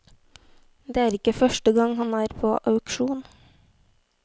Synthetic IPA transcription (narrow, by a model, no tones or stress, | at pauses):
d̪eːæːɾɪkəfœʃʈəɡɑŋhɑnæːɾpʰo̰ːʔɑʉkʃuːn